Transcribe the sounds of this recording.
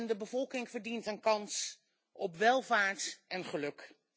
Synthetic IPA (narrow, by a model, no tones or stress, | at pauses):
ndəbəvɔlˠkɪŋv̥əɹdintənkɑns | ʔɔpʋɛlˠvaːɹtʔɛnχəlɵk